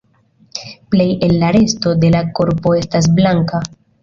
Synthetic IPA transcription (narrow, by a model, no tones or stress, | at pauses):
ple̞je̞lːaɾe̞sto̞de̞lako̞ɾpo̞e̞stas̬blaŋka